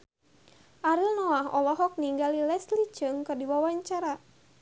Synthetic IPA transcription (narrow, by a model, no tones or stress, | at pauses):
ʔaɾilnɔaɦɔ̰lɔɦɔk̚niŋɡalilɛslit͡ʃɨŋkɨrdiwawaɲt͡ʃaɾa